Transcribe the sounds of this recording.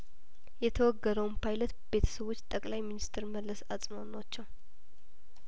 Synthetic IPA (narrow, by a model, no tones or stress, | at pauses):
jɛt̪ʰəwɔɡːəd̪əwnpʰajlət̪be̞t̪ʰə̥səβo̞t͡ʃːt̪ʼəkʼlajminist̪ʰɾməlːəsat͡sʼmonat͡ʃːɛw